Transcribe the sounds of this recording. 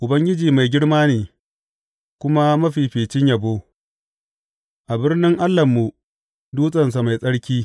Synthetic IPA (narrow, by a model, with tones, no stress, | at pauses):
ʔʊ˨bɐ˦ŋɡʲɪ˦d͡ʒiː˨ma˨jɡʲɪ˦ɽmaː˦neː˨ | kʷʊ˦ma˦mɐ˦ɸiː˨ɸeː˨t͡ʃɪ˦ɲjɐ˨boː˦ | ʔa˨bɪ˦rnɪ˦ŋʔa˦lːɐ˨mːu˨ | duː˦sʼɐ˨ns̬a˨ma˨jsʼɐ˦ɽkʲiː˦